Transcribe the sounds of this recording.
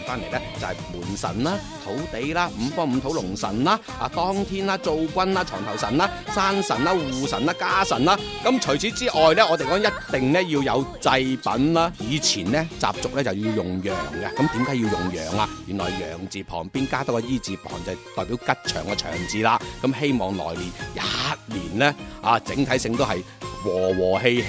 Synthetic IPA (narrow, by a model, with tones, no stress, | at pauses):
faː˥nle˨˩jlɛ˥t͡sɐ˨hɐ˨jmuː˨˩nsɐ̰˨˩nlaː˥ | t̪ʰo˨˥wt̪e˨˥jlaː˥m̩˨˧fɔː˥m̩˨˧t̪ʰo˨˥wlʊ˨˩ŋsɐ̰˨˩nlaː˧ | aː˨˧t̪ɔː˥ŋt̪ʰiː˥nlaː˥t͡so˧wkʷɐ˥naː˧t͡ʃʰɔː˨˩ŋt̪ʰɐ˨˩wsɐ˨˩naː˧˥saː˥nsɐ˨˩nlaː˧˥wuː˨sɐ˨˩naː˥kaː˥sɐ˨˩nlaː˧˥ | kɐ˨˥mt͡ʃʰɵ˨˩jt͡sʰiː˨˥t͡siː˥ʔɔː˨jlɛː˥ɔː˧t̪e˨jkɔː˨˥ŋjɐ˥tt̪ɪ˨ŋnɛ˥jiː˧wjɐ˨˧wt͡sɐ˧jpɐ̰˨˥nlaː˥jiː˨˧t͡sʰiː˨˩nlɛ˥t͡sa̰ː˨p̚t͡sʊ˨k̚lɛː˥t͡sɐ˨wjiː˧wjʊ˨˩ŋjœː˨˩ŋɡɛ˧kɐ˨˥mt̪iː˨˥mkaː˨˥jiː˧wjʊ˨˩ŋjœː˨˩ŋaː˧jyː˨˩nlɔː˨jjœː˨˩ŋt͡siː˨pʰɔː˨˩ŋpiː˥nkaː˥t̪ɐ˥kːɔ˧jiː˥t͡siː˨pʰɔ̰ː˨˩ŋt͡sɐ˨wt̪ɔː˨jpiː˨˥wkɐ˥t̚t͡ʃʰœː˨˩ŋkɛ˧t͡ʃʰœ̰ː˨˩ŋt͡siː˨laː˧kɐ˨˥mhe˥jmɔː˨ŋlɔ̰ː˨˩jliː˨˩njaː˧t̚liː˨˩nlɛ˥ʔaː˨˧t͡sɪ̰˨˥ŋt̪ʰɐ˨˥jsɪ˧ŋt̪o˥wɦɐ˨j | wɔː˨˩wɔː˨˩ɦe˧j